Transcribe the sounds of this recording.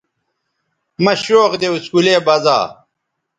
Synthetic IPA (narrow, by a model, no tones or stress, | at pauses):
mɐɕoːqd̪euskuleːbɐza̰ː